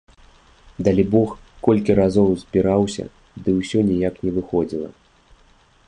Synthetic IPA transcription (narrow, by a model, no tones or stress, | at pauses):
d̪alʲibɔx | kɔlʲkʲiɾazɔwzʲbʲiɾawsʲɐ̰ | d̪ɨwsʲɔnʲijaknʲɛvɨxɔd͡zʲilˠɐ̰